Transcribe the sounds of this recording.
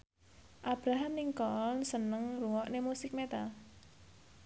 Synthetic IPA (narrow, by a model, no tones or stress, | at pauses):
ʔab̥ɾaɦamniŋkɔnsənəŋruwɔʔnemusɪk̚met̪a